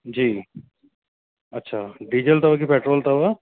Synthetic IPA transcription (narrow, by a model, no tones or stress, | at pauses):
d͡ʒiː | ɐtːʃʰaɖid͡ʒəlt̪ɐbakipeːʈɾoːlt̪ɐba